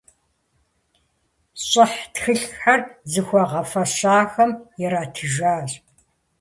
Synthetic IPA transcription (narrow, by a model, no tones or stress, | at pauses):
ɕʼɪħtxɨɬħarzɨxʷɔʁɐfɐɕaːxɐmjɛɾaːtʰɨʒaːɕʼ